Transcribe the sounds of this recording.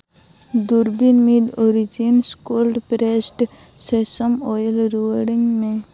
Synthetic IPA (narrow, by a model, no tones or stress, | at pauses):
d̪uɾbinmiɖ̪oɾid͡ʒinskolɖpɾesʈ | sesəmɔːjəlɾuəɽiŋɡmẽ